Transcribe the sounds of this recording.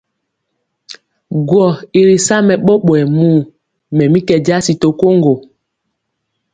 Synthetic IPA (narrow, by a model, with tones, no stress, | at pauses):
ɡwɔ˨i˨ɾi˨sa˦mɛ˨ɓɔ˦ɓwɛ˨mu˦˨ | mɛ˨mi˦kɛ˨d͡ʒa˦si˨to˨ko˦ŋɡo˨